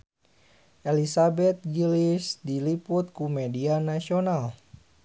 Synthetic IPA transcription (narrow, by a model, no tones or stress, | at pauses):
ʔɛlisabɛt̪̚ɡilisdiliput̪̚kumɛdianasional